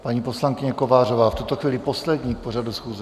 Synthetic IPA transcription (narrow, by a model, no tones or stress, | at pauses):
paɲiːpo̞slaŋkɪɲɛko̞vaːrovaːft̪ut̪oxviːlɪposlɛd̪ɲiːporadusxuːzɛ